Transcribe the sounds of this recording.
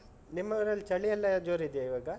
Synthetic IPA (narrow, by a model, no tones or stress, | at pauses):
nimːɐʋɐɾɐlːt͡ʃɐɭijɐlːɐd͡ʒoːɾiid̪jaiʋaːɡɐ